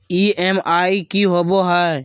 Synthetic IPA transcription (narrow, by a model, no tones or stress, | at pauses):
iːeːmaːikiɦoːboːɦa